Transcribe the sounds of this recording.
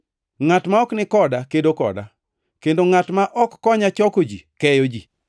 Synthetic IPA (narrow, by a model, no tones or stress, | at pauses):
ŋatmaɔknɪkɔdakedokɔ̰da̰ | kendoŋatmaʔɔkːɔɲat͡ʃɔkod͡ʒḭkɛjod͡ʒi